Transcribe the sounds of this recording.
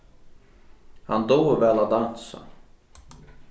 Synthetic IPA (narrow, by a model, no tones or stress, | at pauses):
ha̰nd̪oːvɛlad̪ansa̰